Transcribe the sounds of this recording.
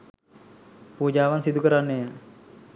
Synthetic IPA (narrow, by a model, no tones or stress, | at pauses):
puːd͡ʒaːʋansid̪ukəɾanːejə